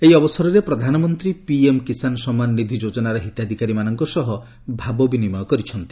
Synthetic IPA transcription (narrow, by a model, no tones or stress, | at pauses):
ejɔbɔsɔɾɔɾepɾɔd̪ʱanɔmɔnt̪ɾipiemkisanɔsɔmanːid̪ʱid͡ʒod͡ʒɔnaɾɔɦit̪jad̪ʱikaɾimanɔŋkɔsɔɦɔ | bʱabɔbinimɔjɔkɔɾit͡ʃʰɔnt̪i̥